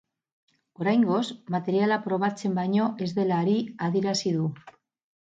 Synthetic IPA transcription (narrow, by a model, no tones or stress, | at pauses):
o̞ɾajŋɡo̞zmat̪e̞ɾjalapɾo̞β̞at͡se̞mbaɲo̞ʔe̞zðe̞laɾiaðiɾasiðu